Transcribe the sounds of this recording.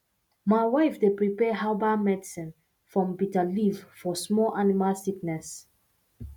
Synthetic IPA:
maɪwaɪfdepɹipɛɦaʊbamɛdisĩn | fɹɔ̃mbitalivfɔsmɔlʔanimalsiknɛs

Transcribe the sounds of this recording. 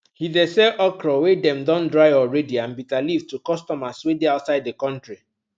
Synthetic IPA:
hidɛsɛʔɔkɾɔwedɛ̃mdɔ̃ndɹaɪjɔɹɛdiãnbitalivtukɔstɔmaswedeaʊtsaɪdðekɔ̃ntɹi

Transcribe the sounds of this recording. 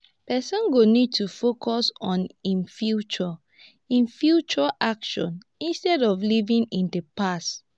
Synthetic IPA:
pɛsɔ̃nɡonid̚tufokʰɔsɔ̃nĩnfjut͡ʃɔ | ĩnfjut͡ʃɔʔakʃɔ̰̃n | ĩnstɛdɔflivĩŋĩndepast

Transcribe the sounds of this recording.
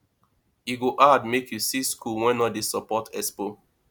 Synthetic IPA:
iɡoʔadmekʰjusiskʰulwɛ̃nɔdesɔpɔtɛspo

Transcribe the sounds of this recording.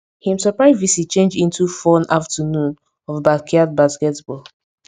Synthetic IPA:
hĩmsɔpɹaɪvisit͡ʃẽnd͡ʒĩntufɔnaftənũn | ɔvbakʰiad̚baskɛtbɔl

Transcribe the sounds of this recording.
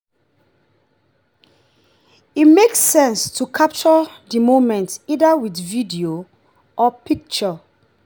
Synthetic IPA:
itmeksːɛ̃nstʰukʰap̚t͡ʃɔdimomɛ̃ntidawitvidio | ʔɔpik̚t͡ʃɔ

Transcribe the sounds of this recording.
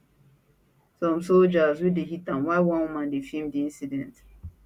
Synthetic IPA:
sɔ̃msold͡ʒazwideɦitãmwaɪwɔ̃nwumãndefimdiĩnsidɛ̃nt

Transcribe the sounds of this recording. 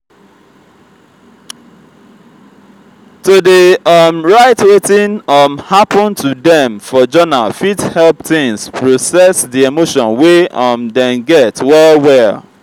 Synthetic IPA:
todeʌmɹaɪtwetĩnʌmhapɔ̃ntʰudɛ̃mfɔd͡ʒɔnafithɛlp̚θɪ̃ŋspʰɹosɛsdiemoʃɔ̃nweʌmdɛ̃nɡɛtwɛlwɛl

